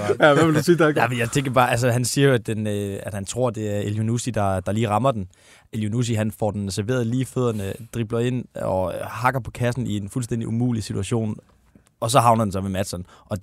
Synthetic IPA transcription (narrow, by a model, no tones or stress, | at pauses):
ʋeldusiːdæmenjaɪt͡sʰeŋɡ̥ɐb̥ɑ̈ːæls̬əɦænsiːɐjo̝æd̥enøæd̥hænt͡sʰʁo̝ɐ̰d̥e̝æɐeljunusid̥ɑ̈d̥ɑ̈liːʁɑ̈mɐd̥en | eljunus̬iɦænfɒ̰ːd̥ensæɐʋe̝̰ːɐð̞̩ˠliːføðˠɐnəd̥ʁib̥lɐe̝n̰ɒ̽hɑ̈ɡ̥ɐpʰɒ̽kʰæsn̩ie̝nfulsd̥end̥iʔumṵːlisidʰuæɕo̝̰ːn | ɒ̽s̬ɒ̽ɦɑ̈ʊnɐd̥en̩sɒmemæd̥sɒnʔɒ̽